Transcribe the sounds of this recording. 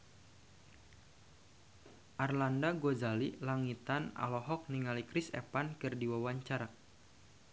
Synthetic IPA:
ʔarlandaɡozalilaŋit̪ana̰lɔɦɔk̚niŋalikɾisɛ̰pankɨrdiwawaɲt͡ʃaɾak̚

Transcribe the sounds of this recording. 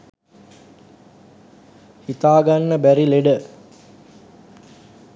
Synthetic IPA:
hit̪aːɡanːəbæɾileɖə

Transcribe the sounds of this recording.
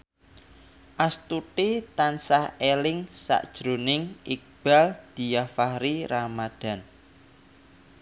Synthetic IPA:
ʔast̪uʈit̪ansahelɪŋsa̰ʔd̥ʒ̥ɾonɪŋʔik̚b̥a̤ld̪̥i̤jafahɾiɾamad̪̥a̤n

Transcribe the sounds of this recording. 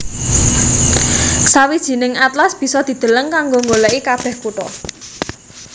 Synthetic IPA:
sawid̥ʒ̥i̤nɪŋat̪lasb̥i̤sɔd̪̥i̤d̪̥ə̤ləŋkaŋɡoŋɡolɛʔikab̥ɛ̤hkuʈɔ

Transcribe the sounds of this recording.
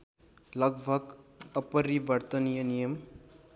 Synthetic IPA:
lʌɡbʱəɡəpəɾiʋəɾt̪ənijənijəm

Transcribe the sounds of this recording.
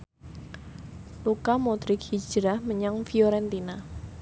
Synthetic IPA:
lukamod̪ɾɪkhi̥d͡ʒɾahməɲaŋfiɔɾɛnt̪ina

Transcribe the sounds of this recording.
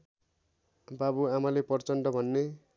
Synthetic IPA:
babuamalepʌrt͡sʌnʈʌbʱʌnːe

